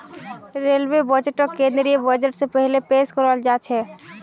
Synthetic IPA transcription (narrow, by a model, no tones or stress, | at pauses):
ɾeːlwebəd͡ʒəʈəkẽːnd̪ɾiebəd͡ʒəʈsepɛɦlepeːskɔɾɔld͡ʒaːt͡ʃʰɛː